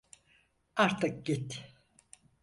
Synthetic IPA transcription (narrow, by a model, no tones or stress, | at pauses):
aɾt̪ʰɯk̚ɟit̪